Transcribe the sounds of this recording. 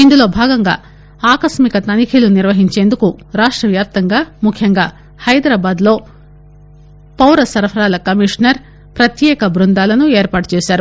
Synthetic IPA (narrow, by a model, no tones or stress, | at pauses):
ind̪ulo̞ːbʱaːɡɐŋɡa̰ː | aːkɐʃmikɐt̪ɐnikʰiluniɾʋɐɦiɲt͡ʃe̞ːnd̪ukuɾaːʂʈɾɐʋjaːp̚t̪ɐŋɡaːmukʰjɐŋɡaː | hɐjd̪ɾaːbaːd̪lo̞ː | pɐwɾɐsɐɾpʰɐɾaːlɐkɐmiʂnɐɾ | pɾɐt̪jɛːkɐbɾund̪aːlɐnueːɾpaːʈu̥t͡ʃeːʃaːɾu